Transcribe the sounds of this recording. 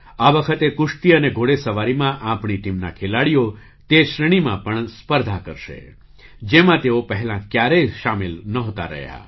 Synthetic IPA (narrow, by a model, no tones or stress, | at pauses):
aʋəkʰət̪ekʊʂt̪iəneɡʱoɽesəʋaɾimãʔãpɳiʈimnakʰelaɽijo | t̪eʃɾəɽ̃imãpəɳspəɾd̪ʱakəɾʃḛ | d͡ʒemãt̪eopəɦɛlãkjaɾeʃamilnəɦot̪a̰ɾə̰ɦja̰